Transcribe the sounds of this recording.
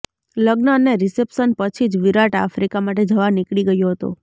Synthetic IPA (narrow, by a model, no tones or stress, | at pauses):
ləɡnəəneɾisepsənpət͡ʃʰid͡ʒʋiɾaʈa̰fɾikamaʈ̬ed͡ʒəʋanikɭiɡəjoɦət̪o̰